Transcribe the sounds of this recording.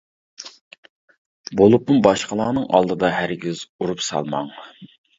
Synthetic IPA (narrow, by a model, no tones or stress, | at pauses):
bolˠupmubɑʃqəlˠɑːnɨŋɑ̰lˠd̪ɨd̪ɑɦæɾɡʲiz̥uɾupsɑ̰lˠmɑ̰ŋ